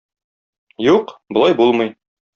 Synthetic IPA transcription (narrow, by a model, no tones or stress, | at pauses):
juqbŏlˠɑjbulˠmɤj